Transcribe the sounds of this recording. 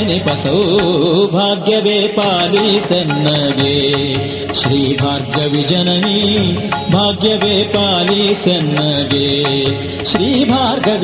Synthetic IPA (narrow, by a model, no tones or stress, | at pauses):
ɐnipɐsɐwbʱaːɡjɐʋeːpaːlisɐnːɐɡeː | ʃɾiːbʱaːɾɡɐʋid͡ʒɐnɐni | bʱaːɡjɐʋeːpaːlisɐnːɐɡeː | ʃɾiːbʱaːɾɡɐʋ